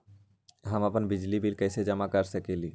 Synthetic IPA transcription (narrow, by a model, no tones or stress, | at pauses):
ɦəməpənbɪd͡ʒlibilkɛːsed͡ʒəmakəɾsəkeli